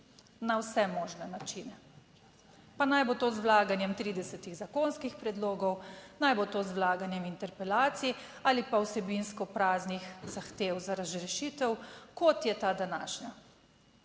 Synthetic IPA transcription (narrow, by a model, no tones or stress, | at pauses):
nawsɛmɔːʒnɛnat͡ʃinɛ | panajbot̪oːzwlaːɡanjɛmt̪ɾiːd̪ɛsɛt̪iɣzakonskixpɾɛd̪loːɡɔwnajbot̪oːzwlaːɡanjɛmint̪ɛɾpɛlaːt̪si | aːlipawsɛbinskɔpɾaːznixzaxt̪eːwzaɾazɾɛʃit̪ɛwkɔt̪jɛt̪ad̪ana̰ːʃna